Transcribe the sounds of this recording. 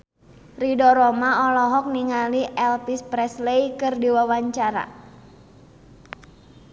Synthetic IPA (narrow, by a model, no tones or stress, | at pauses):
ridɔɾɔmaɔlɔɦɔk̚niŋaliʔɛlpispɾɛslejkɨrdiwawaɲt͡ʃaɾa̰